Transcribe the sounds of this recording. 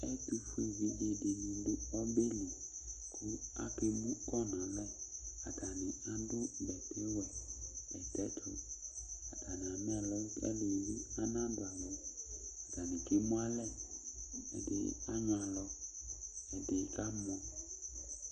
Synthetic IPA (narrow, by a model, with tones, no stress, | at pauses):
ɛ˦tu˨fu˦e˨vi˨de˨de˨nĩ˨˦dɪ˦ɔ˦be˦li˨ | kʰʊ˦a̰˦ke˦mũ˦kɔ˦nã˨lɛ˦a˨da˨nɪ̃˨a˨dʊ˦bɛ˨te˦wɛ˨ɛ˨tɛ˦t̪ɾo̰˨a˨da˨nɪ˨a˨m˦ɛ˦˨lɔ˦ɛ̰˦lo˨li˦a˦nã˦da˨lɔ˦a˨da˨nɪ̃˨ke˦mũ˦a˦lɛ˦ | ɛ̰˨dḛ˨a˦ɲã˨lɔ˦ | ɛ˨de˨ka˦m˦ɔ̃˦